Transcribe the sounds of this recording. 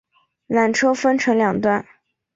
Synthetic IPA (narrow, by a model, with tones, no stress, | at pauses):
na˨˩nʈ͡ʂʰɤ˥fə˥nʈ͡ʂʰɤ˧˥ŋljɑ˨˩ŋt̪wa˥˩n